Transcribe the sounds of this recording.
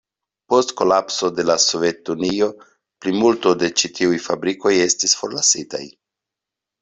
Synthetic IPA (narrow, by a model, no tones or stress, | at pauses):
po̞stko̞lapso̞de̞laso̞ve̞tunio̞ | plimulto̞de̞t͡ʃitʰiujfabɾiko̞je̞stisfo̞ɾlasita̰j